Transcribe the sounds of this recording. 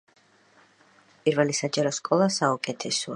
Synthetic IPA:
pʼiɾvɛlisad͡ʒaɾɔskʼɔlˠasaukʼɛt̪ʰɛsɔa

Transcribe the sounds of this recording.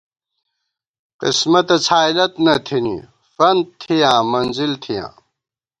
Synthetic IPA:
qḭsmɐt̪ɐt͡sʰaːilɐt̪nɐt̪ʰinḭ | fɐnd̪̚t̪ʰijãːmɐnzilt̪ʰijã̰ː

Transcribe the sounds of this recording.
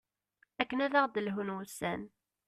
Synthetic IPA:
ækːənæðæʁd̪əlɦənwəsæn

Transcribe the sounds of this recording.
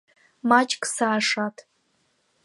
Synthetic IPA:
mat͡ʃʼkʼsaːʂatʰ

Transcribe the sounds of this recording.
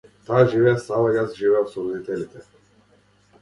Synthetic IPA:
t̪aːʒivɛasalaɡasʒivɛafsɔvnit̪ɛlit̪ɛ

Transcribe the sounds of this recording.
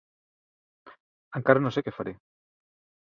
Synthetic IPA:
aŋkaɾanõsekefaɾe

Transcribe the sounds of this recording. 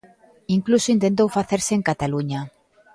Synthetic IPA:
iŋklusoint̪ent̪̬owfaθeɾsɪeŋkat̪aluɲa

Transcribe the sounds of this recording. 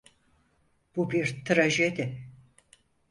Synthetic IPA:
b̥ubiɾt̪ʰɾaʒed̪ɪ

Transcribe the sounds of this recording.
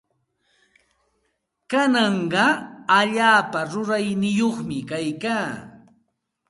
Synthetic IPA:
kanɑɴɢɑaʎaːpaɾʊɾajnɪjoχmɪkajkaː

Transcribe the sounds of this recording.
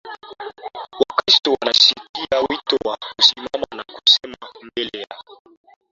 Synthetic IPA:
wakɾistɔwanaʃikiawitɔwakusimamanaku̥sɛmambɛlɛja

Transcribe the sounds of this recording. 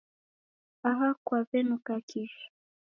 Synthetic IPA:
aɦakwavɛnukakʰiʃḁ

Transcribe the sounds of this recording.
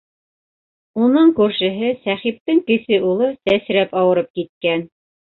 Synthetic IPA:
unɤɴkʉɾʃɘ̆ɦɘsæχip̚t̪ɘŋkɘ̆sɘʔulˠɤsæsɾæpɑwɤ̆ɾɤp̚kit̪̚kæn

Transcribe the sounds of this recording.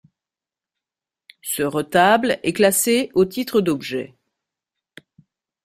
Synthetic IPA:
səʁət̪ablɛklaseot̪it̪χəd̪ɔbʒɛ̰

